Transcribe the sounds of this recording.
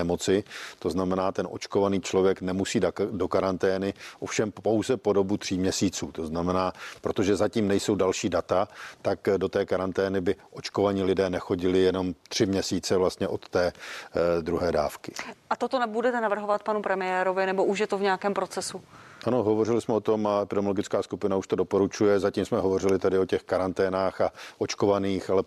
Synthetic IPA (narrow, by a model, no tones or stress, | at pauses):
ɛmo̞t͡sɪt̪o̞znamɛnaːt̪ɛnʔo̞̰t͡ʃkovaniːt͡ʃlovjɛknɛmusiːddo̞kaɾant̪ɛːnɪʔo̞fʃɛmpo̞wzɛpo̞do̞but̪r̝̥iːmɲɛsiːt͡suːt̪o̞znamɛnaːpɾo̞t̪o̞ʒɛzaciːmnɛjso̞wdalʃiːdat̪at̪akdo̞t̪ɛːkaɾant̪ɛːnɪbɪʔo̞t͡ʃko̞vaɲilɪdɛːnɛxo̞ɟɪlɪjɛno̞mt̪r̥ɪmɲɛsiːt͡sɛvlast̪ɲɛʔo̞t̪ːɛː | d̪ɾuɦɛːdaːfkɪ̥ʔat̪ot̪onɛbudɛt̪ɛnavr̩ɦovat̪panupɾɛmɪjɛːɾovɪnɛbo̞ʔuʃjɛt̪ovɲɛjakɛːmpɾo̞t͡sɛsuʔano̞ɦovo̞r̝ɪlɪsmɛo̞t̪o̞maɛpɪdɛmoloɡɪt͡skaːskupɪnauʃt̪o̞do̞po̞ɾut͡ʃujɛzaciːmsmɛɦovo̞rɪlɪt̪adɪo̞cɛxkaɾant̪ɛːnaːxaʔot͡ʃko̞vaniːxalɛ